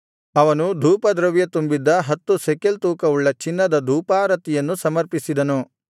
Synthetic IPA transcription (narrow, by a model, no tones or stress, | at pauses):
ɐʋɐnud̪ʱuːpɐd̪ɾɐʋjɐt̪umbid̪ːɐɦɐt̪ːusekelt̪uːkɐuɭːɐt͡ʃinːɐd̪ɐd̪ʱuːpaːɾɐt̪ijɐnːusɐmɐɾpisid̪ɐnu